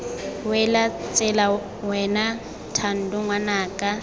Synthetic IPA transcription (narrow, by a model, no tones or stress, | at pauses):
wɛlat͡sʼɪla | wɛna | tʰan̩dʊŋwanaːkʼa